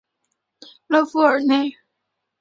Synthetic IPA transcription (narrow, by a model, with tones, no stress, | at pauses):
lɤ˥˧˩fu˥ə˞˨˩ne˥˩ɪ